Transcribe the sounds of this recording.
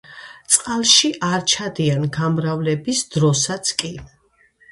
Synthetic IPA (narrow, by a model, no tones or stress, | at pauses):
t̪sʼqʼalˠʃiʔaɾt͡ʃʰad̪ianɡamɾavlɛbisd̪ɾɔsat̪sʰkʼi